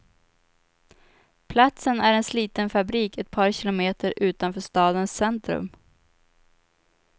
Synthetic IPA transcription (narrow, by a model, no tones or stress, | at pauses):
pʰlat̪sənæɾɛnsliːt̪ənfabɾiːkɛt̪̚pʰɑːɾɕɪlʊmeːt̪ʰəɾʔʉ̟ːt̪anfœːʂt̪ɑːd̪ənsɛnt̪ɾɵ̰m